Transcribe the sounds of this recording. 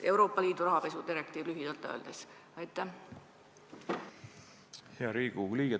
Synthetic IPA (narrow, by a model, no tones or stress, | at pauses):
e̞wɾo̞ːpːˑɑliːd̪̥uɾɑɦɑpe̞sud̪̥iɾek̚t̪iːvlyɦid̪̥ɑlt̪ːˑø̰ːld̪̥es | ɑjt̪ːˑæ | heɑɾiːɡuliːɡ̥e